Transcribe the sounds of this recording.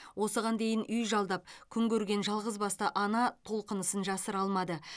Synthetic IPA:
wo̞səʁɑnd̪e̞jɪnʔʏjʒɑlˠd̪ɑp̚kʲʰʏŋkʲʰɵɾɡʲe̞nʒɑlˠʁəzbɑst̪ɑʔɑnɑt̪ʰo̞lˠqənəsənʒɑsəɾɑlˠmɑd̪ə

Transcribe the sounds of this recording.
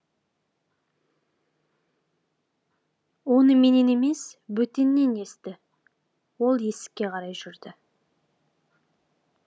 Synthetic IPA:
wo̞nəme̞ne̞ne̞me̞sbɵt̪e̞nːe̞ne̞st̪ɪ | wo̞lˠje̞sɪ̥kʲːe̞qʰɑɾɑjʒʏɾd̪ɪ

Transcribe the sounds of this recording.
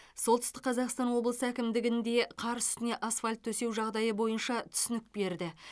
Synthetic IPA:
so̞lˠt̪ʰʏst̪ɪqʰɑzɑqst̪ɑnwo̞blˠəsəækʲɪmd̪ɪɡʲɪnd̪e̞qʰɑɾsʏ̥t̪ɪne̞ʔasfalʲt̪ʰːɵse̞wʒɑʁd̪ɑjəbo̞jənʃɑt̪ʰʏ̥sɪnɪk̚be̞ɾd̪ɪ

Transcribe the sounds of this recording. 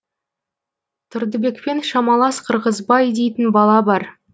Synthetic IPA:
t̪ʰʊɾd̪əbe̞kpe̞nʃɑmɑlˠɑsqʰəɾʁəzbɑjd̪e̞jt̪ɪnbɑlˠɑbɑɾ

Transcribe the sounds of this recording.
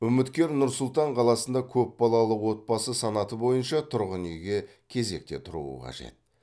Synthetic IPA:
ʏmɪt̪kʲe̞ɾnʊɾsʊlˠt̪ɑɴqʰɑlˠɑsənd̪ɑkʲʰɵpbɑlˠɑlˠəwo̞t̪̚bɑsəsɑnɑt̪əbo̞jənʃɑt̪ʰʊɾʁənijɡʲe̞ | kʲʰe̞ze̞k̚t̪e̞t̪ʰʊɾṵə̰qʰɑ̰ʒḛt̪̚

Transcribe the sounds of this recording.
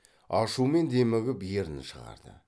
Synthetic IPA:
ɑʃume̞nd̪e̞mɪɡʲɪpje̞ɾɪnʃəʁɑ̰ɾd̪ə̰

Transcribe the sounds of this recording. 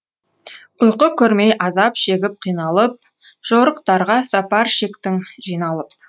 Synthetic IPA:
ʊjqəkʲʰɵɾmejʔɑzɑpʃe̞ɡʲɪp̚qʰijnɑlˠəp̚ | ʒ̥oɾəqt̪ɑɾʁɑsɑpɑɾʃekt̪ɪŋʒijnɑlˠəp̚

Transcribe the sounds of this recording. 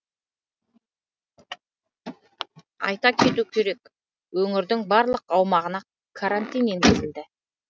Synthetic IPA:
ɑ̰jt̪ɑkʲʰe̞t̪ukʲʰeɾe̞k | ɵŋɪɾd̪ɪŋbɑɾlˠəqɑwmɑʁənɑ | kʰaɾant̪ijnenɡʲezɪld̪ɪ

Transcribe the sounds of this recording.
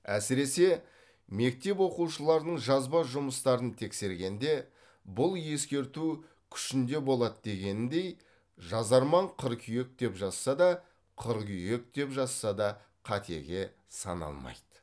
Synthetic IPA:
æsɪɾe̞se̞ | me̞k̚t̪e̞pwo̞quwʃəlˠɑɾd̪əɴʒɑzbɑʒʊməst̪ɑɾənt̪ʰe̞kse̞ɾɡʲe̞nd̪e̞ | bʊlˠje̞skʲe̞ɾt̪u | kʲʰʏ̥ʃɪnd̪e̞bo̞lˠɑd̪d̪e̞ɡʲe̞nɪnd̪e̞j | ʒɑzɑɾmɑɴqʰəɾkʲʰʏje̞k̚d̪e̞pʒɑsːɑd̪ɑ | qʰəɾkʲʰʏje̞k̚d̪e̞pʒɑsːɑd̪ɑ | qʰɑt̪ʰe̞̰ɡʲe̞ | sɑ̰nɑ̰lˠmɑ̰jd̪̥ə

